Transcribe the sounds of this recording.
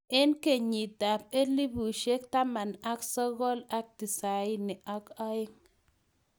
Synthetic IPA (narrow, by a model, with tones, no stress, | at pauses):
ɛ˦nke˨ɲi˨da˨p̚e˦li˦bu˨ʃe˦k̚t̪a˦ma˨na˦ksɔ˦ɣɔ˦la˦k̚ti˨sa˨ɪ˦nɪ˨ʔa˦ka˦ɪ˦ŋ